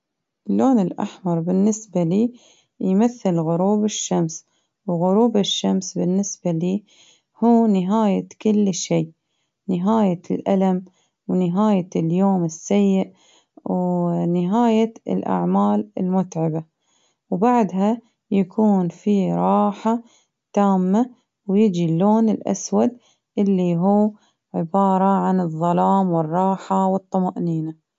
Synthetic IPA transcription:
ʔɪlːʔoːnɪlʔa̰ħmɑɾˤbɪnːɪsbaliː | jmaθːɪlɣʊɾuːbɪʃːams | wɣʊɾuːbɪʃːamsbɪnːɪsbaliː | huːnɪɦaːjakʊlːʃiː | nɪɦaːjalʔalam | wnɪɦaːjaljoːmɪsːajːɪʔ | wnɪɦaːjaɪ̰lʔa̰ʕmaːlɪ̰lmʊt̪ʕɪba | wbaʕd̪ɦa | jakʰuːnfiɾˤɑːħa | t̪aːmːa | wjɪd͡ʒiloːnɪlʔa̰swad̪ | ʔɪlːiɦuː | ʕɪbɑːɾˤɑʕanɨðˤːɑlɑːmwɨrˤːɑːħawɨt̪ˤːɑmaʔniːna

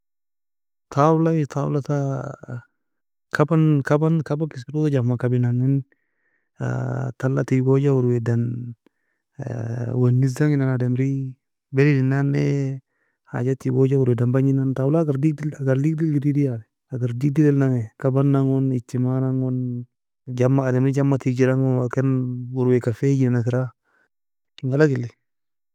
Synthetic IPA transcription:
tʰawlawitaw̰lata | kʰabankabankabakis̬kitutad͡ʒammakabinaŋɛn | a̰talːa̰tiɡod͡ʒawuɾwɛdan | wanːizaŋɪnanadɛmɾi | bɛɾidinanɛ | ha̰d͡ʒatiɡod͡ʒawuɾwɛdambaɲinantawulaɡaɾdidaɡaɾlik̚dilɡiɾidijalɛ | aɡaɾdiɡ̚dilɛlnaŋɛkabanːaŋunit͡ʃːimanaŋun | d͡ʒamaːdɛmɾid͡ʒamːatid͡ʒiɾaŋunakɛnwuɾwekafed͡ʒinanakɪɾa | ŋɡalaɡilːi

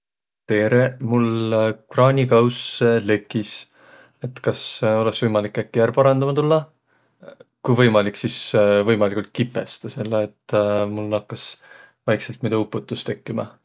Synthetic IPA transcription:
t̪e̞ːɾe̞mulkrɑːnʲikɑwsle̞kˑːis | e̞t̪kɑso̞leksvɤjmɑlikːˑækːijæɾpɑɾɑnd̪ɑmɑt̪ulːɑ | kujvɤ̞jmɑliksisvɤjmɑlikult̪̚kipːˑest̪ɑse̞lːeet̪ːmulnɑkːɑs | vɑjkselt̪mid̪ɑupːˑut̪ːˑust̪e̞kːimɑ̰

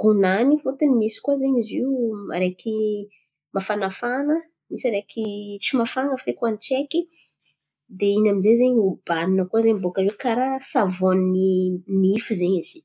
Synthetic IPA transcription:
ɡ̥onanifot̪ənimisi̥kuazeɲiziwma̰ɾekʰi | mafanafanə | misaɾekit͡simafaŋəfekuanit͡ʃeki | d̪einamizezeɲub̥aninəkuazeɲbokəzekaɾasavoniniifizeɲiz̥i̥

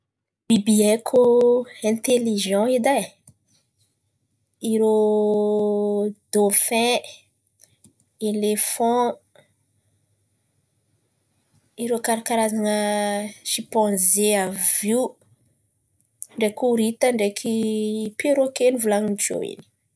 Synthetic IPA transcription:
b̥ibiɛkʰuɛ̃t̪eliʒɑ̃id̪a | iɾo | d̪̥ofɛ̃ | elefɔ̃ | iɾokaɾakaɾazaŋəʃipɑ̃zeavju | ɳɖ͡ʐekuɾit̪əɳɖ͡ʐekʰipeɾokenivulaŋint͡ʃo̰ḭni̥

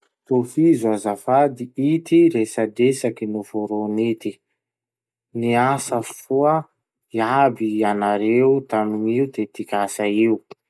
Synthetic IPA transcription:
t̪ofizuazafad̪iit̪iɾesadesakinuv̥oɾonit̪i | niasəfuə | iabianaɾeut̪anuŋiud̪et̪ikʲasaiu

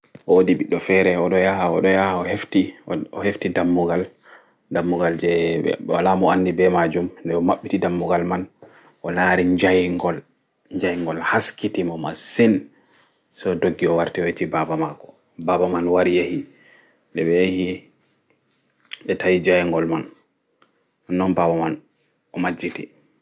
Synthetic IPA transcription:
ʔɔwodiɓiɗːɔfɛɾɛɔɗɔjahaɔɗɔjahaɔheftiɔheftidamːuɡal | damːuɡald͡ʒɛɛ̰wa̰lamɔanːdibɛmad͡ʒumndɛɔmaɓːitidamːuɡalman | ʔɔlaːɾiɲd͡ʒajŋɡɔl | ɲd͡ʒajŋɡɔlhaskitimɔma̰sin | sɔdoɡːiɔwaɾtɛwetibabamakɔ̥ | babamanwaɾijehi | dɛbɛehi | ɓɛtajid͡ʒajŋɡɔlman | anːɔnbabaman | ʔɔmad͡ʒːiti

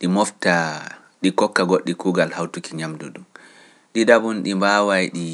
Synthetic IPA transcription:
ɗimɔfta | ɗikɔkːaɡoɗːikuːɡalhawtukiɲamdṵɗum | ɗidabunɗimbaːwajɗi

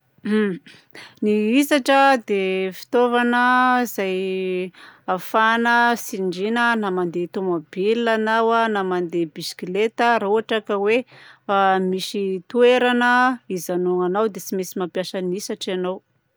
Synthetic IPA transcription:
niisaʈ͡ʂəd̪efi̥t̪ovanəz̥aj | afanəsiɳɖ͡ʐinənamand̪et̪omobilanawanamand̪ebisi̥kilet̪əɾauaʈ͡ʂakəweamisit̪ueɾanəizanuŋanawd̪et͡simisimapjasənisaʈ͡ʂanow

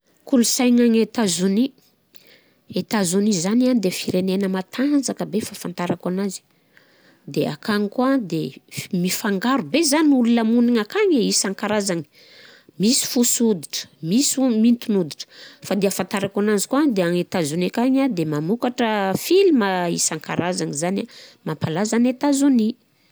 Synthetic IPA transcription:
kulusajɲaŋet̪azuni | et̪azunizanianid̪efiɾenenəmat̪ʰand͡zakəbefafant̪aɾakanazi̥ | d̪ea̰kaŋikuad̪emifaŋɡaɾubezaniululəmuniŋakaɲeisaŋkaɾazaŋi̥ | misi̥fusud̪iʈ͡ʂə̥misumint̪unud̪iʈ͡ʂə̥fad̪eəfant̪aɾakanazi̥kuad̪eaŋet̪azunikaɲad̪emamukaʈ͡ʂəfiliməisaŋka̰ɾazaŋizanamampalazanet̪azuni

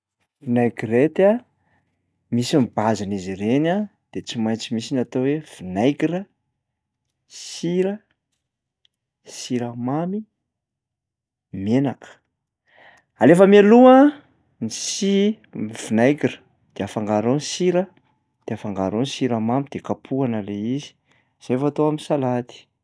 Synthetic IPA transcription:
vinajkiret̪a | misimibazanizirena | d̪̥et͡simajnt͡simisinat̪owev̥inajkiɾə | siɾə | siɾəmami | menakə̥ | alefəmialuə | nisi | v̥inajkirə̥ | d̪̥eafaŋɡaɾonsiɾə | d̪̥eafaŋɡaɾonsiɾəmamid̪̥ekapʰuanəleizi̥ | z̥efat̪oaminsalat̪i̥

